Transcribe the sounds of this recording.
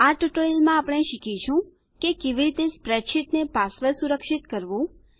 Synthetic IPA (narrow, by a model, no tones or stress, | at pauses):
aʈuʈoilmãapɽ̃eʃikit͡ʃʰũ | kekeʋiɾit̪espɾɛɖʃiʈnepasləɾsuɾəkʃit̪kəɾʋũ